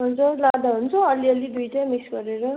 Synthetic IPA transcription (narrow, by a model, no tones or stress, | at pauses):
ɦund͡zuɾlad̪aɦunt͡sʰʌʌlːiʌlːid̪ujʈamisɡʌɾeɾo